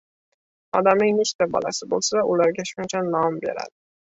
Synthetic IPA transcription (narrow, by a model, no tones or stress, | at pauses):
ɑd̪ɑmɪŋnet͡ʃt̪æbɑ̰lˠɑ̰sɪbo̰lˠsavaʔulˠɑɾɡʲaʃʊnt͡ʃʰanɑmbḛɾæ̰d̪ɪ